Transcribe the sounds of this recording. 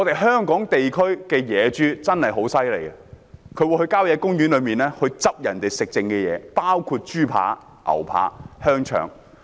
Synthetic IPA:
ŋɔː˨˧t̪e˨jɦœː˥ŋkɔː˨˥ŋt̪e˨jkʰɵ˥ɥkɛː˧jɛː˨˧t͡ʃyː˥t͡sɐ˥nhɐ˨jɦo˨˥wsɐ˥jle˨˩jɐ˨kʰɵ˨˧ɥwu˧hɵ˧ɥkaː˥wjɛː˨˧˥kʊ˥ŋjyː˨˥nlɵ˨˧ɥmiː˨˩nɛː˥hɵ˧ɥt͡sɐ˥p̚jɐ˨˩nt̪e˨jsɪ˨k̚t͡sɪ˧ŋkɛː˧jɛ̰ː˨˧paː˥wkʰuː˧t̚t͡ʃyː˥pʰa̰ː˨˧˥ | ʔɐ̰˨˩wpʰa̰ː˨˥hœː˥ŋt͡ʃʰœ̰ː˨˩ŋ

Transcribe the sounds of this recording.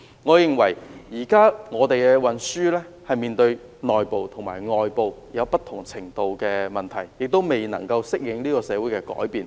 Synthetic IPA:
ŋɔː˨˧jɪ˨ŋwɐ˨˩jjiː˨˩kaː˥ŋɔː˨˧t̪e˨jkɛ˧wɐ˨nsyː˥lɛː˥ | hɐ˨jmiː˨nt̪ɵ˧ɥ | nɔː˨jpo˨wt̪ʰʊ˨˩ŋma̰ː˨˩jŋɔː˨jpo˨wjɐ˨˧wpɐ˥t̪ʰʊ˨˩ŋt͡sʰɪ˨˩ŋt̪o˨wkɛː˧mɐ˨nt̪ʰɐ˨˩jːɪ˨k̚t̪o˥wme˨jnɐ̰˨˩ŋkɐ˧wsɪ˥k̚jɪ˨˧ŋliː˥kɔː˧sɛː˨˧wu˨˥jkɛ˧kɔ̰ː˨˥jpiː˨˧n

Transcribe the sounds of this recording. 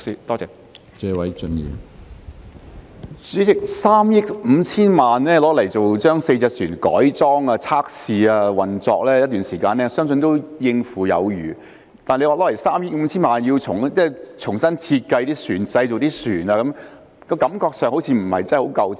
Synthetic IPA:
i˧t̪ɔː˥t͡sɛː˨˧ | t͡sɛː˨˥wɐ˨˥jt͡ʃɵ˧njḭː˨˩ | t͡syː˨˥t͡sɪ˨k̚saː˥mjɪ˥k̚m̩˨˧t͡sʰiː˥nmaː˨nlɛː˥lɔː˨˥lɐ˨˩jt͡so˨wt͡ʃœː˥ŋse˧jt͡sɛː˧k̚syː˨˩nkɔ̰ː˨˥jt͡sɔː˥ŋaː˧t͡sʰaː˥k̚siː˨aː˧wɐ˨˩nt͡sɔ̰ː˧k̚lɛː˥jɐ˥t̚t̪yː˨nsiː˨˩kaː˧nɛː˥sœː˥ŋs̬ɵ˧nt̪o˥wjɪ˧ŋfuː˨˩jɐ̰˨˧wjyː˨˩ | t̪aː˨nle˧waː˨˩lɔː˨˥le˨˩jsaː˥mjɪ˥k̚m̩˨˧t͡sʰiː˥nmaː˨nji˧wt͡sʰʊ˨˩ŋt͡sɛː˥˩t͡sʰʊ˨˩ŋsɐ˥nt͡sʰiː˧t̚kɐ˧jt̪iː˥syː˨˩nt͡sɐ˧jt͡so˨wt̪iː˥syː˨˩naː˧kɐ˨˧m | kɔː˧kɐ˨˥mkɔː˧k̚sœː˨ŋho˨˥wt͡sʰiː˧m̩˨˩hɐ̰˨jt͡sɐ˥ho˨˥wkɐ˧w

